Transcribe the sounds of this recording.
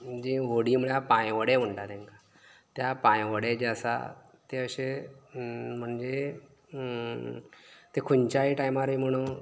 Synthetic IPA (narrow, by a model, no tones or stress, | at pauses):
d͡ʑĩɦoɽim̤əɭjapãjʋəɽem̤əɳʈat̪ẽŋka | t̪japãjʋəɽed͡ʑasa̰ | t̪eəɕe | m̤əɳd͡ʑe | t̪ekʰunt͡ɕaɦiʈajmaɾim̤əɽ̃ũː